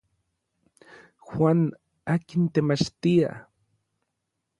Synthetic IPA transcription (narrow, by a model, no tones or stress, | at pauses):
xwʷaːn | aːkint̪emat͡ʃt̪ia̰